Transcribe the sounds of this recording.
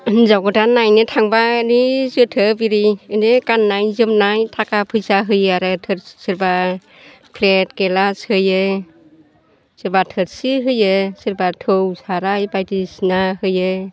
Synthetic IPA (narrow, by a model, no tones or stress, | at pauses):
zawɡɯtanajnɯtʰaŋbanizɯtʰɯbiɾiɯndekanːajzɯmnajtʰakapʰɯjsaɦɯjaɾɯtʰɯɾsiɾba | pʰlet̚kelashɯjɯ | siɾbatʰɯɾsiɦɯjɯsiɾbatʰɯwsaɾajbajtisnahɯjɯ